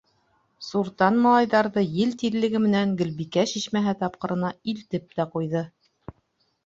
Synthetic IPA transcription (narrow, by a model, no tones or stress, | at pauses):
suɾt̪ɑnmɑlˠɑjðɑɾðɤjɘlt̪iɾlːɘ̆ɡɘmɘ̆næŋɡɵ̆lβikæɕiʃmæɦɘt̪ɑp̚qɤ̆ɾɤ̆nɑilt̪ɘp̚t̪æqujðɤ